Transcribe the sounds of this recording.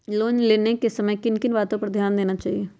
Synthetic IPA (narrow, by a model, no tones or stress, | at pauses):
loːnleːnekesɐməjkɪnkɪnbaːt̪õpɐɾd̪ʱjaːnd̪eːnat͡ʃaːɦieː